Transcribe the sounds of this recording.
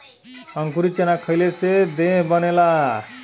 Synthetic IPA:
ʌŋkuɾit͡ʃenakʰʌjlesed̪ẽbʌnela

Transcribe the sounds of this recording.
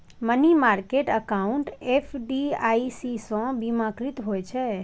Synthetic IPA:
mənimaɾkeʈəkaũɳʈefʰɖiaisisɔ̃bimãkɾit̪ɦojt͡ʃʰe

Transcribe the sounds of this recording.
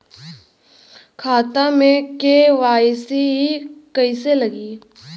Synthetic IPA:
kʰaːt̪amẽkeʋaːjsiɦikəiselɐɡiː

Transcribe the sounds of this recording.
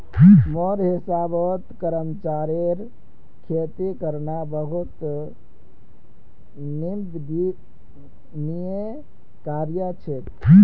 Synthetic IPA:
moɾɦisabəɦut̪kəɾəmt͡ʃaɾeɾ | kʰet̪ikəɾnabəɦut̪ | nimd̪ | nije | kaɾjət͡ʃʰet̪

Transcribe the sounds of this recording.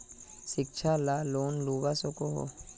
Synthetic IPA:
ʃɪk̚t͡ʃʰalaːloːnluːɡasokoɦo̰ː

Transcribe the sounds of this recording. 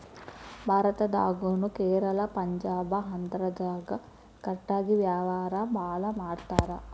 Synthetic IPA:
bʱaːɾɐt̪ɐd̪a̰ːɡuːnukɛːɾɐlɐpɐɲd͡ʒaːbɐɦɐnd̪ɾɐd͡ʒaːɡɐ | kɐʈːaːɡiʋjaːʋaːɾɐbʱaːlɐmaːɽt̪aːɾɐ

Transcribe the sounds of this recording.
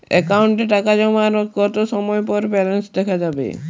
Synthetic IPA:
ɛ̰kauɳʈeʈakad͡ʑɔmaɾɡɔt̪oʃɔmɔepɔɾbɛlensd̪ɛkʰad͡ʑabḛ

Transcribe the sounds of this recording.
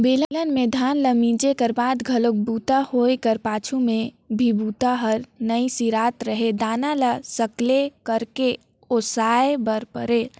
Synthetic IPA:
beːlələnmẽd̪ʱaːnləmĩːd͡ʒekəɾbaːd̪ɡʱəlok̚buːt̪ahoːjkəɾpaːt͡ʃʰumẽ | bʱibuːt̪aɦəɾnəisiɾaːt̪ɾəɦed̪aːnaləsəklekəɾke | osaːebəɾpə̰ɾeː

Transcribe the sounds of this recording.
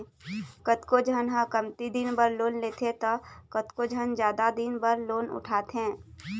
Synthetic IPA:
kət̪kod͡ʒʱənɦə̃kəmt̪id̪ɪnbəɾloːnleːt̪ʰet̪ɐkət̪kod͡ʒʱənd͡ʒjaːd̪ad̪ɪnbəɾloːnʊ̰ʈʰaːt̪ɛ̃ː

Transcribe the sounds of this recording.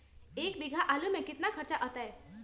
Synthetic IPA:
eːkbɪɡʱaʔaːlumẽkɪt̪nakʰɐɾt͡ʃaʔət̪aɦɛː

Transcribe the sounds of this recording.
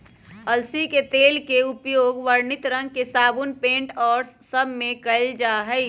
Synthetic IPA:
ɐlsiket̪eːlkeʊpjoːɡʋəɾnɪt̪ɾə̃ŋɡ̚kesaːbunpẽːɳʈɔːɾsːəbʱmẽkɐɪld͡ʒaːɦəi

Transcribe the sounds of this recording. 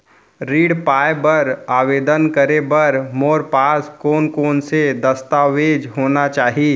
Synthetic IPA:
ɾiːɽpaːjbəɾaːʋeːd̪ənkəɾebɐɾmoːɾpaːskoːnkoːnsed̪əst̪aːʋeːd͡ʒɦoːnat͡ʃaːɦi

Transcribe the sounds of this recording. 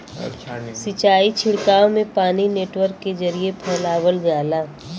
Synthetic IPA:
sɪt͡ʃaːit͡ʃʰɪɽkaːõmẽpaːnineːʈwəɾkːed͡ʒɐɾiepʰɛːlaːwəld͡ʒaːlaː

